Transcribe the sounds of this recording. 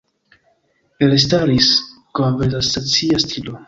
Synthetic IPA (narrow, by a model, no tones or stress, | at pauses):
elestaɾis | konvelastat͡siastʰilo